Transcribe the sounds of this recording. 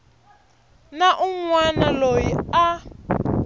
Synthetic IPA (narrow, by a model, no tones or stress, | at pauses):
naʔuŋwanalojia